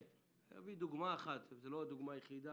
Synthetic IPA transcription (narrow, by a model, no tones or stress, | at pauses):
a̰vid̪uɡmaːχat̪zelod̪uɡmajeχid̪a